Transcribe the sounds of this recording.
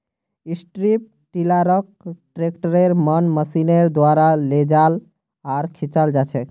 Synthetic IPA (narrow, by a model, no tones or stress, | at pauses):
isʈɾip̚ | ʈilaɾək̚ʈɾekʈəɾeɾmənməsineɾd̪waɾaled͡ʒal | aɾkʰit͡ʃald͡ʒat͡ʃʰɛ